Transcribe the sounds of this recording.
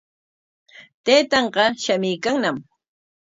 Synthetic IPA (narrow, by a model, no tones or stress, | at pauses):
t̪ejt̪ɑɴɢɑʃamɪjkaŋnam